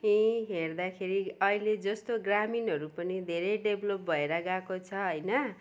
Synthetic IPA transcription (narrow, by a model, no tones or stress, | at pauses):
ɦĩɦerd̪akʰeɾiʌiled͡zʌst̪oɡraminɦʌɾupʌnid̪ʱeɾeɖeblop̚bʱʌeɾʌɡakot͡sʰʌɦʌjnʌ